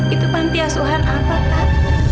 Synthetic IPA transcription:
kit̪upant̪iasuɦanapa

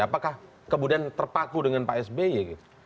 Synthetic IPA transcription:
apakah | kəmudiant̪ərpakudəŋanpaɛsbejaɡit̪u

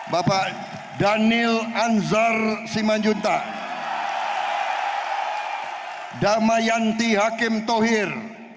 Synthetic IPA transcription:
bapaʔ | danɪlanzarsimand͡ʒunt̪a | damajant̪iɦakɪmt̪oɦɪr

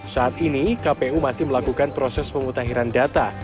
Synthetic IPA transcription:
saːt̪̚inikapeumasɪhməlakukanpɾosɛspəmut̪aɦiɾandat̪a

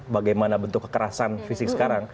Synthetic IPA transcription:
baɡajmanabənt̪ʊkːə̥kəɾasanfisɪk̚sə̥kaɾaŋ

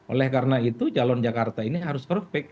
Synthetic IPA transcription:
o̰lɛhkarənait̪ud͡ʒalɔnd͡ʒakart̪ainiɦaɾʊspərhpɛk̚

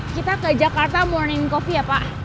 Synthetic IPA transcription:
kit̪akəd͡ʒakart̪amurninkofiapa

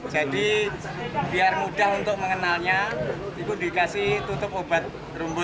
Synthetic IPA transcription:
d͡ʒadi | b̥iarmudaɦunt̪ʊk̚məŋənalɲaikundikasɪht̪ut̪ʊp̚obat̪̚ | rumbʊ

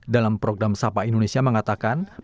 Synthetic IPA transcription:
dalampɾoɡɾamsapaindonesiaməŋat̪akan

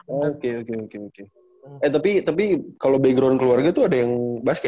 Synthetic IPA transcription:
ookeokeokeoke | ɛt̪apit̪apikalobaɡɾonkəluarɡat̪uadajaŋbaska

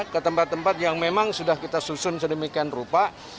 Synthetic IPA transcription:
kət̪əmpat̪ːəmpat̪̚jaŋmemaŋsudahkit̪asusʊnsədəmikianrupa

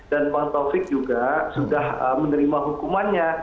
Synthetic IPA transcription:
danbaŋt̪ɔfɪk̚d͡ʒuɡasudahəmənəɾimaɦukumanɲa

